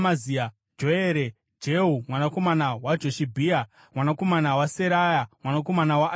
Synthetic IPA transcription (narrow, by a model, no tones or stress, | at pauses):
mazia | d͡ʒoeːɾe | d͡ʒeɦumwanako̞manawad͡ʒoʃibʱiːa | mwanako̞manawaseɾajamwanako̞manawaʔ